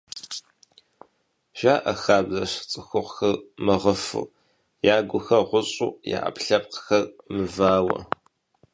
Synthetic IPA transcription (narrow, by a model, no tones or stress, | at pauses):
ʒ̥aːʔɐxaːbzɐɕt͡sʼɨxʷʊqxɐrmɐʁəfṵː | jaːɡʷʊxɐʁʷʊɕʼuːja̰ːʔɐ̰pɬɐp̚qxɐrmɨvaːwɐ̰